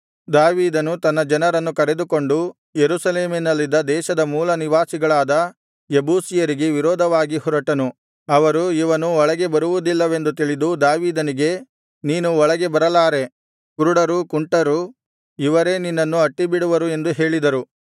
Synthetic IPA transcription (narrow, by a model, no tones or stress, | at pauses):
d̪aːʋiːd̪ɐnut̪ɐnːɐd͡ʒɐnɐɾɐnːukɐɾe̞d̪uko̞ɳɖu | jeɾuːsɐleːminɐlːid̪ɐd̪ɛːʃɐd̪ɐmuːlɐniʋaːsiɡɐɭaːd̪ɐ | jebuːsijɐɾiɡe̞ʋiɾɔːd̪ʱɐʋaːɡihɔɾɐʈɐnu | ɐʋɐɾuiʋɐnuɔɭɐɡe̞bɐɾuʋud̪ilːɐʋe̞nd̪ut̪iɭid̪ud̪aːʋiːd̪ɐniɡe̞ | niːnuɔɭɐɡe̞bɐɾɐlaːɾe̞ | kuɾuɽɐɾukuɳʈɐɾu | iʋɐɾe̞ninːɐnːuɐʈːibiɽuʋɐɾue̞nd̪uɦe̞ːɭid̪ɐɾu